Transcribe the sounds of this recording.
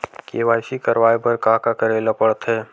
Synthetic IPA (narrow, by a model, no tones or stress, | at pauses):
keːʋaːʃikəɾwaːebəɾkaːkakəɾeːlapəɽt̪ɦɛː